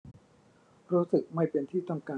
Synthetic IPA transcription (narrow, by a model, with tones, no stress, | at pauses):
ɾuː˦˥sɯ˨˩k̚ma˥˩jpe˧nt̪ʰiː˥˩t̪ɔ˥˩ŋkaː˧